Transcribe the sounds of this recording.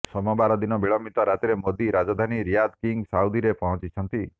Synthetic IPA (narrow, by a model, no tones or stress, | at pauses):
sɔmɔbaɾɔd̪inɔbiɭɔmit̪ɔɾat̪eɾemod̪iɾad͡ʒad̪ʱaniɾijad̪kiŋɡsaud̪iɾepɔɦɔ̃t͡ʃit͡ʃʰɔnt̪i